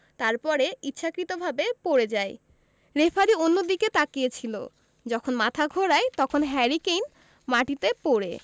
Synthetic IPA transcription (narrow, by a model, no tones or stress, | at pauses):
t̪aɾpɔɾeitːɕʰakɾit̪obʱabepoɾed͡ʑae | ɾefʰaɾionːod̪iket̪akiet͡ɕʰilo̰ | d͡ʑɔkʰonmat̪ʰaɡʱoɾaet̪ɔkʰonɦɛɾikejn | maʈit̪epoɾe